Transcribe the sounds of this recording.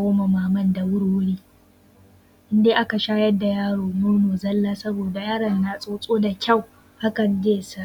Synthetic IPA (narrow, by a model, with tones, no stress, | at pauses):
oː˦ma˨maː˨mɐ˦nda˨wʊ˦ɽu˦ɽiː˦ | ʔɪ˦ndeː˦ʔa˦ka˨ʃaː˦jɐ˦dːa˨jaː˦ɽoː˨mʊ˦ɽnoː˨zɐ˦lːaː˦sɐ˦boː˨da˨jaː˦ɽɐ˨nːa˨sʼoː˦sʼoː˦da˨kʲa˦˨w | ʔa˦kɐ˨d͡ʒeː˦˨sa˦